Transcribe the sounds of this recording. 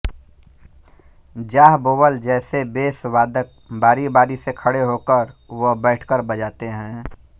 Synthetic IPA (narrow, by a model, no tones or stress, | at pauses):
d͡ʒaːɦboːbəld͡ʒɛːsebeːsʋaːd̪ək̚ | baːɾibaːɾisekʰəɽeɦoːkəɾʋobɛːʈʰkəɾbəd͡ʒaːt̪eɦɛ̃ː